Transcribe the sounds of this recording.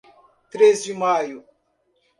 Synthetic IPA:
t̪ɾezd͡ʒimajʊ

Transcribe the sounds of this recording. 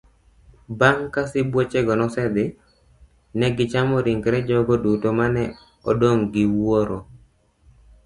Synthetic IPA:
baŋkasɪbwot͡ʃeɡɔnɔsɛd̪ɪ | nɛɡɪt͡ʃamɔɾiŋɡɾɛd͡ʒɔɡodutomanɛ | ɔdoŋɡɪwoɾo

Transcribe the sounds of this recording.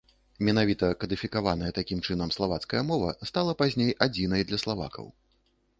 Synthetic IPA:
mʲɛnavʲit̪ɐkɐd̪ɨfʲikavanɐjɛt̪akʲimt͡ʂɨn̪ɐmslˠavat̪skɐjɛmɔvɐ̰st̪alˠɐpazʲnʲejad͡zʲinɐjd̪lʲɐslˠava̰kʰɐ̰w

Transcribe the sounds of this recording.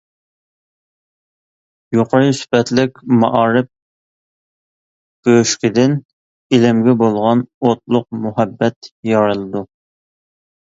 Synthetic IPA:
joqʰɑɾspɛt̪lɪkʲmɑʔɑːɾɪp̚ | b̥øʃkʲid̪ɪn | ilɪmɡʲɛbolˠʁɑnot̪̚lˠʊq̚muɦɛbːɛt̪jɑɾɨlˠɨd̪u

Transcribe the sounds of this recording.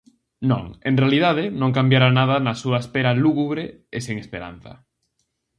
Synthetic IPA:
nõ̰ŋẽnrealiðað̞ɪnõŋkambjaɾanað̞anasuaespeɾaluɣuβɾeː | seŋespeɾa̰nθɐ̰

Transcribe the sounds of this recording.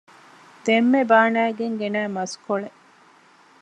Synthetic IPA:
d̪̥emːebaːnæːɡeŋɡenæːmɐskoɭe

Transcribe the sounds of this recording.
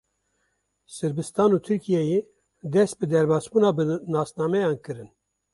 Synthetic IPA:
sɨɾbɨst̪ɑːnuːt̪ʰɨɾkʰijɛje | d̪ɛst̪̚bɨd̪ɛɾbɑːsbuːnɑːbɨnɑːsnɑːmɛjɑːnkɨɾɨn

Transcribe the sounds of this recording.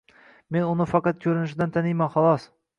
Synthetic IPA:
me̞nʊnɪfɑqɑt̪̚kʲʰɵɾɪnɪʃ̬ɪd̪ant̪ʰanɪjmanχɒlˠɒs

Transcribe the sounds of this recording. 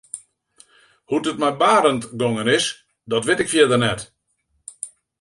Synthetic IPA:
hutətmɛjbaːɾəntɡoŋənɪs | dɔtʋɪtɪkfjɛdərnɛt

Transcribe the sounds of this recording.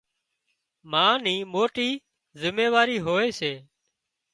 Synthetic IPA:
mãːniːmoːʈiː | zɪmeːʋaːɾiːɦoːeːseː

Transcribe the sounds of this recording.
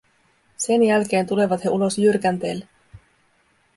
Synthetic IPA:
se̞njælk̟e̞ːnt̪ule̞ʋɑt̪he̞ʔulo̞sjyrkænt̪e̞ːlːe

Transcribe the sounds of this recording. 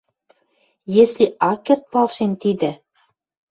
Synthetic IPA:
jesliɑkːert̪̚pɑlʃent̪id̪ɘ̆

